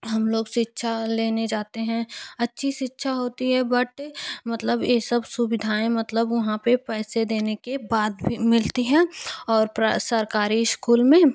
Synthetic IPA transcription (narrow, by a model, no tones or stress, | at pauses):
ɦɐmloːɡʃɪtːʃʰaleːned͡ʒaːt̪eɦɛ̃ɐtːʃʰiʃɪtːʃʰaɦoːt̪iɦɛbɐʈmɐt̪ləbjeːsəbsʊbɪd̪ʱaːẽmɐt̪ləbʋɐɦãpepɛːsed̪eːnekebaːt̪bʱimɪlt̪iɦɛ̃ːɔːɾpɾasɐɾkaːɾiskuːlmẽː